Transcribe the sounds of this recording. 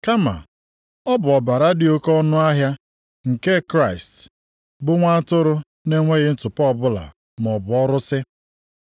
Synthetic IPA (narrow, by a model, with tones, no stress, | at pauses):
ka˦ma̰˨ | ɔ˦bʊ˨ɔ˨ba˨ɾa˦dɪ˨˦o˦kɔ˦nʊ˦a˦ɦja˦ | ŋ̩˨ke˦kɾa˦ɪ˨st | bʊ˦ŋʷa˦a˦tʊ˦ɾʊ˦ | ne˦ŋʷe˦ɣɪ˦n̩˦tʊ˨pɔ˦˨bʊ˦la̰˨ | m˨ɔ˨bʊ˨ɔ˦ɾʊ˦sɪ˦